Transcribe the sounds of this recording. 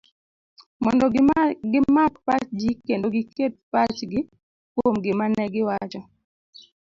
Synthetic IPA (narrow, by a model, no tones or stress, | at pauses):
mɔndɔɡɪmappat͡ʃd͡ʒikendoɡɪket̚pat͡ʃɡɪ | kwomɡɪmanɛɡɪwat͡ʃɔ